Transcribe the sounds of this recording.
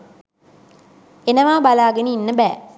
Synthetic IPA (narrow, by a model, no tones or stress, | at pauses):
enəʋaːbalaːɡeniːnːəbæː